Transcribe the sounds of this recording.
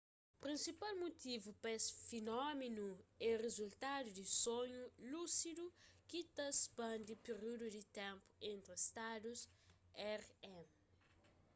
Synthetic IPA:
pɾĩnsipalmut̪ivupɛsfinɔmenuɛʁezult̪ad̪ud̪ɪsõɲulusid̪ukit̪ɐspɐ̃nd̪ipeɾud̪ud̪ɪt̪ɛ̃mpʊ̥ẽnt̪ɾiist̪ad̪us | ɛʁɛ̃m

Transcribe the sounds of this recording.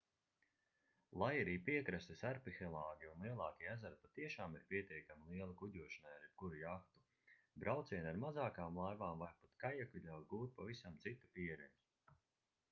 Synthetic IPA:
lˠajaɾiːpiɛkɾast̪esaɾpixɛlˠaːɡʲiunlˠiɛlˠɑːkʲiæzaɾ̚pat̪iɛʃaːmiɾpiɛt̪iɛkamilˠiɛlˠakuɟʲuɔʃanajaɾikuɾijaxt̪u̥ | bɾʔawt̪siɛnaɾmazaːkaːmlˠajvaːmvaɾpat̪kajiɛkvʲiʎʲawt̪̚ɡuːt̪̚pavisamt̪sit̪upiɛɾɛnz

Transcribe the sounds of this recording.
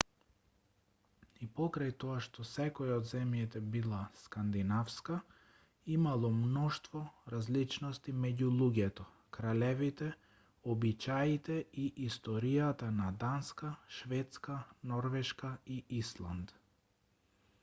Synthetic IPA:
ipɔkɾajt̪ɔaʃt̪ɔsɛkɔjɔd̪zɛmjɛt̪ɛbilˠaskand̪inafska | imalˠɔmnɔʃt̪vɔɾazlit͡ʃnɔst̪imɛɟulˠuɟɛt̪ɔ | kɾalɛvit̪ɛ | ɔbit͡ʃait̪ɛiʔist̪ɔɾijat̪anad̪anskaʃvɛt̪skanɔɾvɛʃkaiislˠa̰nd̪

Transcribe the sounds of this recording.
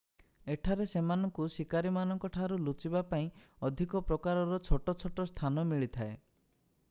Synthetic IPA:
eʈʰaɾesemanɔŋkusikaɾimanɔŋkɔʈʰaɾulut͡ʃibapaĩɔd̪ʱikɔpɾɔkaɾɔɾɔt͡ʃʰoʈɔt͡ʃʰoʈɔst̪ʰanɔmiɭit̪ʰae

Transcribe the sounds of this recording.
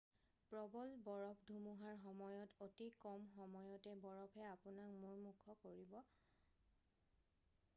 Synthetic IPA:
pɹɔbɔlbɔɹɔpʰdʱumuɦaɹxɔmɔjɔtotikɔmxɔmɔjɔtɛbɔɹɔpʰɛapʊnakmʊɹmukʰɔkoɹibɔ

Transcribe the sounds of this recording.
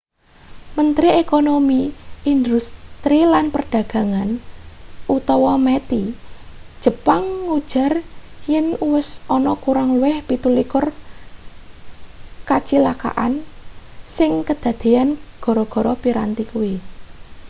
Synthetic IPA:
mənt̪ɾiekonomiind̪ust̪ɾilanpərɖ̥ä̤ɡ̥ä̤ŋan | ut̪ɔwɔmet̪i | d̥ʒ̥ə̤paŋːud̥ʒ̥a̤rjɪnuwɪsɔnɔkuɾaŋluwɪhpit̪ulikʊr | kat͡ʃilaka̰ʔan | sɪŋkəd̪̥ä̤d̪̥e̤anɡ̥ɔ̤ɾɔɡ̥ɔ̤ɾɔpiɾa̰nt̪ikuwi

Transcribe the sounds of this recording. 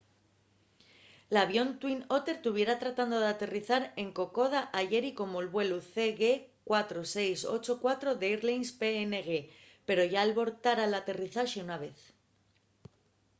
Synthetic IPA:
laβjo̞nt̪wino̞t̪e̞ɾt̪uβ̞je̞ɾat̪ɾat̪and̪o̞ðeat̪e̞riθaɾe̞ŋko̞ko̞ð̞aʔaʝe̞ɾiko̞moelβwe̞luθe̞ɣekwat̪ɾo̞se̞jso̞̰t͡ʃo̞kwat̪ɾo̞ðe̞iɾlejnspe̞ene̞ɣe̞ | pe̞ɾo̞ʝaːlβo̞ɾt̪aɾalat̪e̞riθaʃiunaβ̞e̞θ

